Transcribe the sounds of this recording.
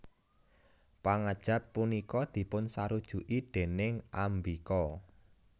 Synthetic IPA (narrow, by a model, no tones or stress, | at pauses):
paŋad̥ʒ̥ä̤pːunikɔd̪̥i̤pʊnsaɾud̥ʒ̥ṳʔid̪̥e̤nɪŋʔambikɔ